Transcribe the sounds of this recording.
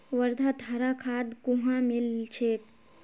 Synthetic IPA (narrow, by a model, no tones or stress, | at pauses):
ʋəɾd̪ʱad̪ʱəɾakʰad̪ɡuɦãmilt͡ʃʰek